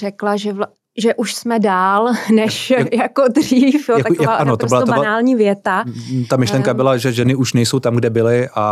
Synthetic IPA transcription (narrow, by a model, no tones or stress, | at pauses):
ɛklaʒɛl | ʒɛʔuʃsmɛdaːlnɛʃjakodriːfjoaaaannot̪osɪlabanaːlɲiːvjɛt̪at̪amɪʃlɛŋkabɪlaʒɛʒɛnɪuʃnɛjsowt̪amɡdɛbɪlɪʔa